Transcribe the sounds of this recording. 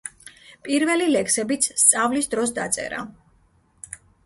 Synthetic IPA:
pʼiɾvɛlilɛksɛbit̪sʰst̪sʼavlisd̪ɾɔs̬d̪at̪sʼɛ̰ɾa̰

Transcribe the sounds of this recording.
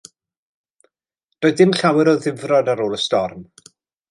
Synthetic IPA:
d̥oːɨðdɪmɬawɛɾɔðɪvrɔdaɾoːlˠəstɔrm

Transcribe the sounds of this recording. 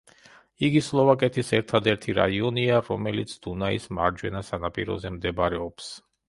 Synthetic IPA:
iɡislˠɔvakʼɛt̪ʰisɛɾt̪ʰad̪ɛɾt̪ʰiɾa̰iɔniaɾɔmɛlit̪sʰd̪̥unaisma̰ɾd͡ʒwɛnasanapʼḭɾɔ̰zɛmd̪ɛbɾɛɔps

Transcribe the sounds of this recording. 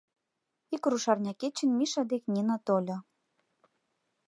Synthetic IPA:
ikruʃɑrnʲɑket͡ɕənmiʃɑd̪eknʲinɑt̪olʲɤ̆

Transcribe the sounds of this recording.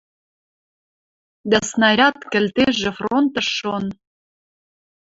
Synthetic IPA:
d̪æsnɑɾʲɑt̪kɘ̆lt̪eʒĕfront̪ɤ̆ʃːon

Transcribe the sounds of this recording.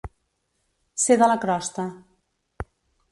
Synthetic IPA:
seðələkɾɔst̪ə

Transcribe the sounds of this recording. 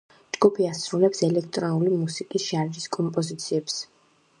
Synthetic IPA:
d͡ʒɡupʰiasɾulɛpsɛlɛk̚ʰt̪ʼɾɔnulimusikʼisʃʒaɾd͡ʒiskʼɔmpʼɔzit̪sʰiɛps

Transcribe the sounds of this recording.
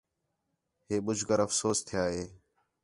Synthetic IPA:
ɦeːɓʊd͡ʒʱɡəɾəfsoːst̪ʰɪjaːɦeː

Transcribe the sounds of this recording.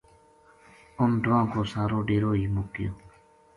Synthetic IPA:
ʊnɖʊãːkoːsaːɾoːɖeːɾoːiːmʊkɪjo̰ː

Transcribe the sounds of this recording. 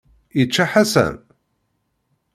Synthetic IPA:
jət͡ʃːaħasæ̰n

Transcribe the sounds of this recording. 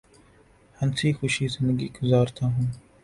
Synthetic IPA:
hɐnsiːxʊʃiːzɪnd̪əɡiːɡʊzaːɾt̪aːɦũː

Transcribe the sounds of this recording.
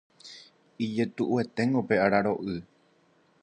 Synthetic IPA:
id͡ʒe̞t̪uʔue̞t̪e̞ŋɡope̞ʔaɾaɾo̞ʔɨ

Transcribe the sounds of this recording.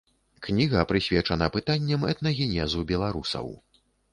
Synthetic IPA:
knʲiɣɐpɾɨsʲvʲɛt͡ʂɐnɐpɨt̪anʲːɛmɛ̰t̪nɐɣʲinʲɛzubʲɛlˠaɾusɐ̰w

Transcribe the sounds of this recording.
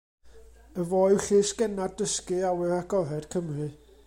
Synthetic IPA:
əvoːɨɬɪsɡ̥ɛnaddəskɨawɛraɡɔɾɛd̥kʰəmrɨ

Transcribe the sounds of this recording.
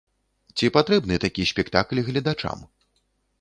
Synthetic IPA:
t͡sʲipat̪ɾɛbnɨt̪akʲisʲpʲɛkt̪aklʲɣlʲɐd̪at͡ʂa̰m

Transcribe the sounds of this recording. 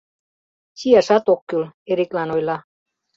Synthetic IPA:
siæʃɑt̪okːyleɾiklɑnojlɑ

